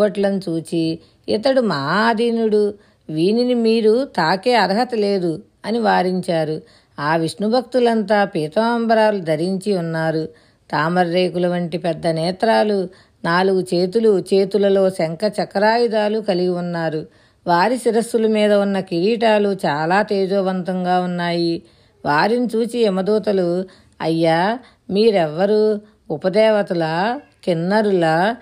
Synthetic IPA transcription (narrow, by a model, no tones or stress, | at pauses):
ɐʈlɐnut͡ʃuːt͡ʃi | it̪ɐɽumɐɦaːd̪ʱiːnuɽu | ʋiːninimiːɾut̪aːke̞ːɐɾɐɦɐt̪ɐle̞ːd̪u | ɐniʋaːɾiɲt͡ʃaːɾu | aːʋiʂnubʱɐk̚t̪ulɐnt̪aːpiːt̪ɐaːmbɐɾaːlud̪ʱɐɾiɲt͡ʃiunːaːɾu | t̪aːmɐɾːeːkulɐʋɐɳʈipɛd̪ːɐnɛːt̪ɾaːlu | naːluɡut͡ʃe̞ːt̪̬ulut͡ʃe̞ːt̪ulɐlo̞ːsɐŋkɐt͡ʃɐkɐɾaːjid̪aːlukɐliɡiunːaːɾu | ʋaːɾisiɾɐst̪ulɐmiːd̪ɐunːɐkiɾiːʈaːlut͡ʃaːlaːt̪eːd͡ʒoːʋɐnt̪ɐŋɡaːunːaːji | ʋaːɾinit͡ʃuːt͡ʃiɛmɐd̪uːt̪ɐlu | ɐ̰jːaː | miːɾɛʋːɐɾu | upɐd̪ɛːʋɐt̪ulɐkinːɐɾulɐ